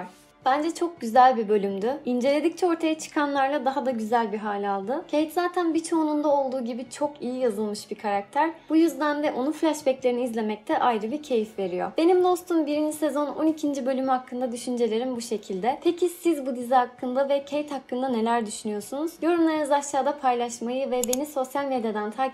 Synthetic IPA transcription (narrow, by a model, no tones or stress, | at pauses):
b̥ænd͡ʒɛt͡ʃʰo̞k̚ɟyzælʲbibø̞lʲymd̪yind͡ʒe̞lʲe̞d̪ic̚t͡ʃʰɛo̞ɾt̪ʰajat͡ʃʰɯ̥kʰanlˠaɾlˠad̪aɦad̪aɟyzælʲbiɦaːlʲialˠd̪ɯcʰejt̪zaːt̪ʰænbit͡ʃʰo̞nund̪ao̞lˠd̪uːɟibit͡ʃʰo̞kijijazɯlˠmɯʃbikʰaɾak̚t̪ʰæɾb̥ujyzd̪anvɛʔo̞nuflʲaʃbɛclʲe̞ɾiniːzlʲe̞mɛc̚t̪ʰɛʔajɾɯbiɾcʰe̞jifve̞ɾijo̰b̥e̞nimd̪ˠo̞st̪ʰunbiɾind͡ʒise̞zo̞no̞̰nicʰind͡ʒibø̞lʲymyakʰːɯnd̪ad̪yʃynd͡ʒe̞lʲe̞ɾimbuʃe̞cʰilʲd̪ɛt̪ʰe̞cʰisizbud̪izɛhakʰːɯnd̪avɛcʰejt̪hakːɯnd̪ane̞lʲæɾd̪yʃynyjo̞sunuzjo̞ɾumlˠaɾɯnɯzaʃaːd̪apʰajlˠaʃmajɯvɛbe̞niso̞sjalʲme̞d̪jad̪ænt̪ʰaː